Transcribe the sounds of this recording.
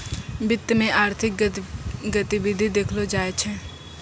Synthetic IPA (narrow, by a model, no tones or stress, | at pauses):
bɪt̪ːmẽʔaːɾt̪ʰɪk | ɡət̪ibɪd̪ʱid̪eːkʰlod͡ʒaːet͡ʃʰɛ